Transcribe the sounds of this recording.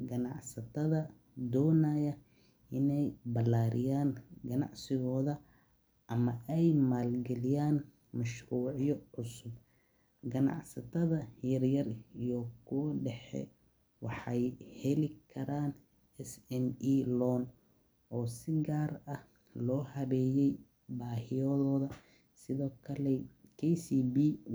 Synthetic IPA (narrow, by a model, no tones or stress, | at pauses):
ɡɐnɑʕsɐt̪ʰɐðɐ | d̪ɔːnajɐ | ʔɪnɛjbɐlaːɾʔɪ̰jaːnɡɐnɑ̰ʕsɪɣɔːðɐ | ʔɐmɐʔɛjmaːlɡɛlɪjaːn | mɐʃruːʕjɔʕʊsʊb | ɡɐnɑ̰ʕsɐt̪ʰɐðɐjɐrjɐrijɔkʰʊwɖɛħɛ̰ | wɑħɑjhɛlɪkʰɐɾaːn | ɛsɛniːlɔn | ɔːsɪɡaːrɐh | lɔːhɐβɛːjɛj | baːhɪjɔðɔːðɐ | sɪðɔːkʰɐlɛkʰɛjsiːbiː